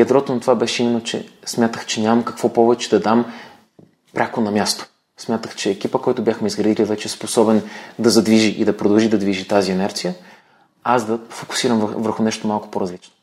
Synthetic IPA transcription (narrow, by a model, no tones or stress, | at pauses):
ɐd̪ɾɔt̪onɐt̪ovabɛʃɛimɛnot͡ʃɛ̰smʲjat̪əxt͡ʃɛnʲamɐmkɐ̥kvɔpɔvɛt͡ʃɛd̪ɐd̪am | pɾʲʔakonɐmʲjast̪o̥ | smʲjat̪əxt͡ʃɛːk̟ʲipəkɔjt̪ʊbʲjaxmɛizɡɾɐd̪ilivɛt͡ʃɛsposɔbɛnd̪ɐzɐd̪viʒiʔid̪ɐpɾod̪ɐlˠʒid̪ɐd̪viʒit̪aziɛnɛɾt̪sijə | azd̪ɐfokʊ̥siɾəmvvəɾxʊnɛʃt̪omalˠkʊ̥poɾɐzlit͡ʃno